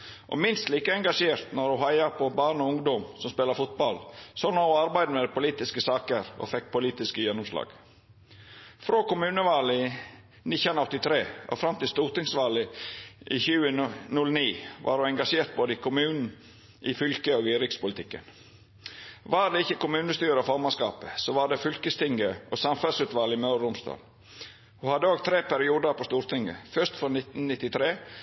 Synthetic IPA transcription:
ʔɔ̰mɪnst̪liːkəɛŋɡɑʂeːɾt̪nɔɾʊɦɑɪɑpʰɔbɑːɳɔʊŋd̪ɔmsɔmspeːlɑfʊt̪̚bɑlsɔnoʊɑɾbæɪd̪əmɛd̪ɛpʊliːt̪ɪskəsɑːkəɾɔ̰fɛk̚ːpʰʊliːt̪ɪskəjɛnːʊmslɑ̰ːɡ̥ | fɾoːkʊmʉːnəʋɑːlɪ | nɪçənɔt̪ːɪt̪ʰɾeːʔɔ̰fɾɑmt̪ɪlst̪uːɾt̪ɪŋsʋɑːləʔɪçʉːənʉlniːʋʔɑ̰ːɾʉɛŋɡɑʂeːɾt̪̚boːd̪əɪkʰʊmʉːnn̩ | ʔɪfʏlkəɔːɡiːɾɪkspʊlɪt̪ɪkːə̰n | ʋɑɖ̪ɛɪçəkʊmʉːnəst̪yːɾəɔfɔɾmɑnskɑ̰ːpəsɔʋɑɖ̪ɛfʏlkəst̪ʰɪŋɡəʔɔsɑmfɛlsʉːt̪ʋɑːlɪmœʉɾʊmst̪ɑ̰ːl | hʉhɑd̪ːəoːɡt̪ʰɾeːpæɾɪuːd̪əɾpɔst̪uːɾt̪ɪŋə̰fœʂt̪fɾɔnɪt̪n̩nɪt̪ːɪt̪ʰɾeː

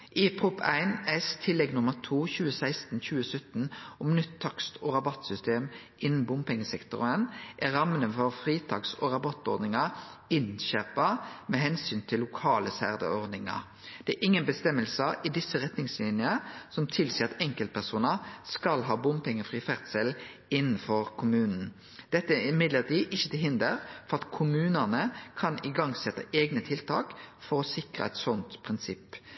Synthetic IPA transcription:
ʔɪpʰʁʊpʰæ̰ɪnɛst̪ʰɪlːɛɡnʊməʁt̪ʰuːçʉːəsæɪst̪n̩çʉːəsœt̪n̩ɔmnʏt̪ʰːɑkst̪ʰɔʁɑbɑt̪sʏst̪eːmʔɪnn̩bʊmpʰɛŋːəsɛkt̪ʊʁənʔæɾɑmːənəfɔʁfʁiːt̪ʰɑ̰ːksɔʁɑbɑt̪ɔɾd̪nɪŋɑɪnnɕæːpɑmɛhɛnsyːnt̪ʰɪlːʊkʰɑːləsæʁd̪ə̰ɔʁd̪nɪŋɑ̰ | d̪̥ɛæʔɪŋːənbəst̪ɛmːəlsəʔɪd̪ɪsːəʁɛt̪nɪŋslɪnjəsɔmt̪ʰɪlsiːɑt̪ɛŋkəlt̪̚pʰæʁsuːnəskɑlɦɑːbʊmpɛŋəfʁiːfæʁt̪sɛl | ɪnːnfɔʁkʰʊmʉːnn̩ | d̪̥ɛt̪ːəɪmɪd̪ləʁt̪ʰiːʔɪçːət̪ɛɦɪnd̪əɾfɔʁɑt̪kʰʊmʉːnənəkʰɑnɪɡɑŋsɛt̪ːə̰ʔeːɡnət̪ʰɪlt̪ʰɑ̰ːkfɔɾɔsɪkʁə̰ɛt̪sɔnt̪pʰʁɪnsɪpː

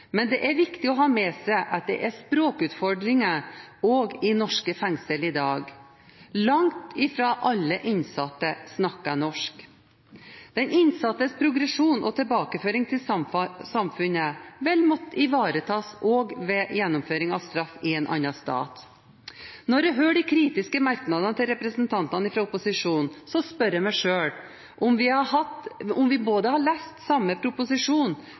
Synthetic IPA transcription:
mɛnd̪ɛʔæɾʋɪkt̪ɪɔɦɑːmɛːsæɪʔɑt̪̚d̪ɛ̰ʔæspɾoːkʉːt̪fɔɖɾɪŋəɔːɡɪnɔʂkəfɛŋsəlɪd̪ɑːɡ | lɑŋt̪ɪfɾɑːʔɑlːəʔɪnsɑt̪ːəsnɑkːɑnɔʂk | d̪̥ɛnɪnsɑt̪ːəspʰɾʊɡɾɛʂuːnʔɔt̪ʰɛlbɑːkəføːɾɪŋt̪ʰɪlsɑmfʉnəʋɛlmɔt̪ːəɪʋɑːɾət̪ʰɑːsoːɡʋɛjɛnːɔmføːɾɪŋɑ̰ʋst̪ɾɑfːɪɛnʔɑ̰nːɑst̪ɑ̰ːt̪ | nɔɾɛɦøːɖɪkʰɾiːt̪ɪskəmɑɾknɑd̪ɑnət̪ʰɪlɾɛpɾəsnt̪ʰɑnt̪ɑnɪfɾɑʊpʊsɪʂuːnnsɔspœɾəmɛʂøːl | ʔɔmʋɪhɑhɑt̪ɔmʋɪboːd̪əhɑɭæst̪sɑmːəpʰɾʊpʊsɪʂuːn

